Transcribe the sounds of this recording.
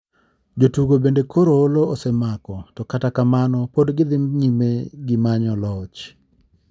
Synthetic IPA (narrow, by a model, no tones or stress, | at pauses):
d͡ʒotuɡobendekʰoɾooloosemakɔtɔkatakamanɔpodɡɪd̪ɪmɲimeɡɪmaɲɔlɔt͡ʃ